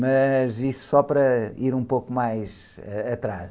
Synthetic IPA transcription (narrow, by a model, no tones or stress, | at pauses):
mɐzisu̥sɔpɐɾɐiɾũpokumajz | ɛɐt̪ɾa